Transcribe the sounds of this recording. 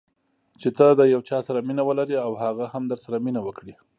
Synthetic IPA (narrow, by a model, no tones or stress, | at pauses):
t͡ʃet̪ad̪əjawt͡ʃɑsaɾaminawəlaɾiawhaɣahamd̪əɾsaɾaminawəkɽi